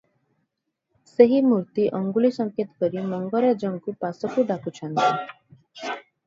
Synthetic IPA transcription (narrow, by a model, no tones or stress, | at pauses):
seɦimuɾt̪iʔɔŋɡulisɔŋket̪ɔ̥kɔɾimɔŋɡɔɾad͡ʒɔŋkupasɔkuɖakut͡ʃʰɔnt̪i